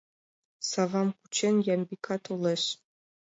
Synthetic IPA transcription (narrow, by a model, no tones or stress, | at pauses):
savamkʷʰu̥t͡ʃʰenjambikʰatʰolɐɕ